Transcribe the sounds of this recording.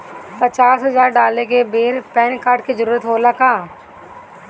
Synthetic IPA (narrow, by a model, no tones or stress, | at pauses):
pət͡ʃaːsɦɐzaːɾɖaːlek̬ebeːɾpɛːnkaːɾɖkizəɾuːɾət̪ɦoːlakaː